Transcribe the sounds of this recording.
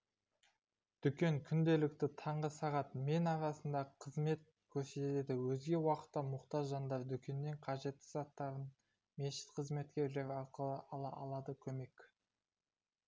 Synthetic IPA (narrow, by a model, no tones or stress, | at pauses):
d̪̥ʏkʲe̞ŋkʲʰʏnd̪e̞lɪkt̪ɪt̪ʰɑɴʁəsɑʁɑt̪me̞nɑɾɑsənd̪ɑqʰəzme̞t̪̚ | kʲʰɵɾse̞t̪t̪e̞d̪ɪwɵzɡʲe̞wɑqə̥t̪ːɑmʊqt̪ɑʒʒɑnd̪ɑɾd̪ʏkʲe̞nːe̞ɴqʰɑʒe̞t̪ːɪ̥z̥ɑt̪ːɑɾən | me̞ʃɪ̥t̪qʰəzme̞t̪kʲe̞ɾle̞ɾɪɑɾqəlˠəʔɑlˠɑʔɑlˠɑd̪əkʲʰɵme̞kʲ